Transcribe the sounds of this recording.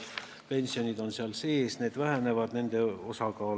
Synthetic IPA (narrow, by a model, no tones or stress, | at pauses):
pe̞nʲsio̞nʲid̪̥o̞nseɑlse̞ːsne̞ːd̪̥væɦæne̞vɑd̪̥ne̞nd̪̥e̞o̞sɑkɑː